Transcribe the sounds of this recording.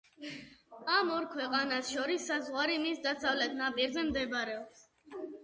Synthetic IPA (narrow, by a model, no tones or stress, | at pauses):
amɔɾkʰwɛqʼanasʃɔɾisːazʁwaɾimisd̪asavlɛt̪ʰnapʼiɾzɛmd̪ɛbɾɛɔps